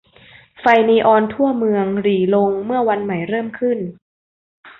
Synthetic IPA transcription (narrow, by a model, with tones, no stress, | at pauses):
fa˧jniː˧ʔɔː˧nt̪ʰu˥˩əmɯ˧əŋɾiː˩˦lo˧ŋmɯ˥˩ɐwa˧nma˨˩˦jɾɤː˥˩mkʰɯ˥˩n